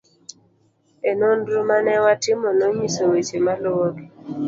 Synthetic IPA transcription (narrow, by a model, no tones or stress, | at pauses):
enondɾumanɛwatɪmɔnoɲisowet͡ʃemalɔɡe